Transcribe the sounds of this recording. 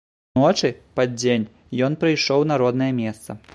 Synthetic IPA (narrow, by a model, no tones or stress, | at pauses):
ɔt͡ʂɨpad͡zʲenʲ | jɔnpɾɨjʂɔwnaɾɔd̪nɐjɐmʲɛst̪sɐ̰